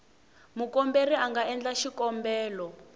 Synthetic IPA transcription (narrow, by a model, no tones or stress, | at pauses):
mukɔmberiaŋɡaɛnd͡ɮaʃikɔmbɛːlɔ